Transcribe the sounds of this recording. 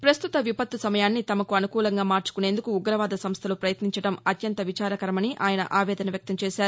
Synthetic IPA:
pɾɐst̪ut̪ɐʋipɐt̪ːusɐmɐjaːnːit̪ɐmɐkuɐnukuːlɐŋɡaːmaːɾt͡ʃu̥kune̞ːnd̪ukuːɡɾɐʋaːd̪ɐsɐmst̪ʰɐlupɾɐjɐt̪niɲt͡ʃɐɽɐmɐt̪jɐnt̪ɐʋit͡ʃaːɾɐkɐɾɐmɐniʔaːjɐnɐ̰ʔaːʋɛːd̪ɐnɐʋjɐk̚t̪ɐmt͡ʃɛːʃaːɾu

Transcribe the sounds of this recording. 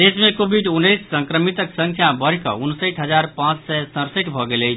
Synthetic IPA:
d̪esmekobʱiɖunːəjsːə̃ŋkɾəmit̪əksə̃ŋkʰjabəɾkə̰unsəjʈɦəd͡ʒaɾpãt͡ʃsɛsə̃ɾsəʈbʱɔɡeləjt͡ʃʰ

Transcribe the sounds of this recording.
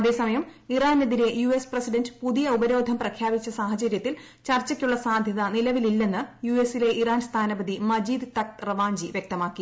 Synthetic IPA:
ɐðe̞ːsɐmɐjɐmiraːneðiɾe̞juesprɐsiɖɐndɨpuðijɐubɐɾo̞ːd̪ʱɐmprɐkʰjaːbit͡ɕːɐsaːɦɐt͡ɕɐɾjɐt̪ːil | t͡ɕɐrt͡ɕːɐkʲːuɭːɐsaːd̪ʱjɐðɐnilɐʋililːe̞nːɨjuesile̞ʔiraːnst̪ʰaːnɐbɐd̪imɐd͡ʑiːd̪t̪ɐk̚rɐʋaːɲd͡ʑiʋjek̚t̪ɐmaːkːi

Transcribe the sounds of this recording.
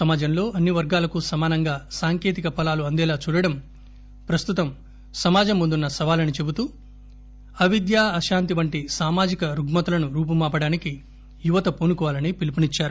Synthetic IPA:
sɐmaːd͡ʒɐmlo̞ːʔɐnːiʋɐɾɡaːlɐkusɐmaːnɐŋɡaːsaːŋke̞ːt̪ikɐpɐlaːluɐnd̪ɛːlaːt͡ʃuːɽɐɽɐm | pɾɐst̪ut̪ɐm | sɐmaːd͡ʒɐmːund̪unːɐsɐʋaːlɐnit͡ʃe̞but̪uː | ɐʋid̪jaːɐʃaːnt̪iʋɐɳʈisaːmaːd͡ʒikɐɾuɡmɐt̪ulɐnuɾuːp̬ɐmaːpɐɽaːniki | juʋɐt̪ɐpoːnukɔʋaːlɐnipilipɐnit͡ʃːaːɾu

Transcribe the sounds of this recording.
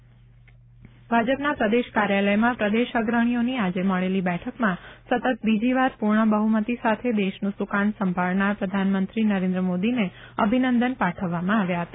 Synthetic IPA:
bʱad͡ʒəpnapɾəd̪eʃkaɾjaləjmãpɾəd̪eʃəɡɾəɽ̃ijoniad͡ʒeməɭelibɛʈʰəkmãsət̪ət̪̚bid͡ʒiʋaɾpuɾɳəbəɦumət̪isat̪ʰed̪eʃnũsukaɳsə̃mbʱalnaɾpɾəd̪ʱanmənt̪ɾinəɾẽnd̪ɾəmod̪ine | əbʱinənd̪ənpaʈʰəʋːamãaʋjaɦət̪a

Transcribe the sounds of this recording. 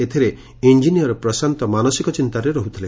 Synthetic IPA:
et̪ʰiɾe | ind͡ʒinijɔɾɔpɾɔsant̪ɔmanɔsikɔt͡ʃint̪aɾeɾɔɦut̪ʰile

